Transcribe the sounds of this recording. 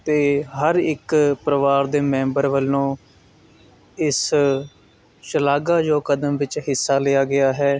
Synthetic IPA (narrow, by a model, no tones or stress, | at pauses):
t̪eːɦəɾɪkpɾəʋaːɾd̪eːmɛ̃ːmbəɾʋəlːõː | ɪs | ʃəlaːɡaːd͡ʒoːkəd̪əmʋɪt͡ʃɦɪsːaːlɪjaːɡɪjaːɦɛː